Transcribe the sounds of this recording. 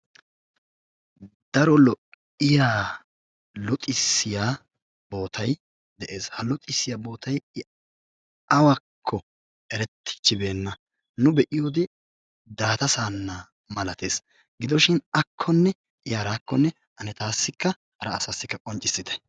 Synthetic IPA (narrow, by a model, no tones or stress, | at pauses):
d̪̥ɐɾɔlɔʔ | ɪjaː | lɔt̪ʼɪsːɪjaː | bo̞ːt̪ʰɐj | d̪ɛʔe̞ːshɐlɔt̪ʼɪsːɪjaːbo̞ːt̪ɐjɪ | ɐwɐkʰːɔ | ɛɾɛt̪ʰːɪ̥t͡ʃːɪbe̞ːnːɐ | nʊbɛʔɪjoːd̪ɪ | d̪aːt̪ɐsaːnːa | mɐlɐt̪e̞ːs | ɡɪd̪ɔʃɪnɐkʰːɔnːɛ | ʔɪjaːɾaːkːɔnːɛ | ʔɐnɛt̪aːsːɪkːɐ | hɐɾɐːsaːsːɪkːɐkʼɔnt͡ʃʼːɪsɪd̪ɛ̥